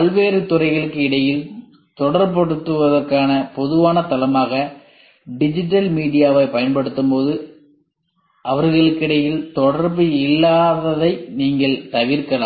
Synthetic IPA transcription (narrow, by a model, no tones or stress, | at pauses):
pɐɭʋeːɾɯt̪ʊrɐɪɣɐɭɯkːɯɪɽɐjɪl | t̪ɔɽɐɾpɐɽɯt̪ːɯʋɐðɐɾkaːnɐpɔðɯʋaːnɐt̪ɐlɐmaːɣɐ | ɖɪd͡ʒɪʈ̬ːɐlmiːɽɪjaːʋɐɪpɐjɐnpɐɽɯt̪ːɯmpoːðɯ | ʔɐʋɐɾɣɐɭɯkːɪɽɐjɪlt̪ɔɽɐɾbɯɪlːaːðɐðɐɪniːŋɡɐɭt̪ɐʋɪɾkɐla̰ː